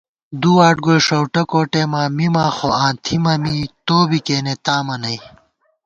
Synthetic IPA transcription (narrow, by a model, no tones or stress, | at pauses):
d̪uaːʈɡojʂɐwʈɐkoːʈeːmaːmimaːxoãːnt̪ʰimɐmit̪oːbikeːnet̪aːmɐnɐj